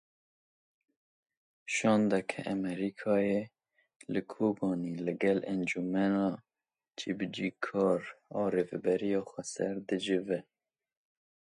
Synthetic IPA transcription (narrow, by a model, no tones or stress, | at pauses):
ʃɑːnd̪ɛkʰɛ̰ʔɛmɛɾikʰɑːje | lɨkʰoːbɑːnilɨɡɛlɛnd͡ʒumɛnɑː | t͡ʃʰibd͡ʒiːkʰɑːɾɑːɾeːvɛbɛɾijɑːxʷɛsɛɾd̪ɨd͡ʒɪvɛ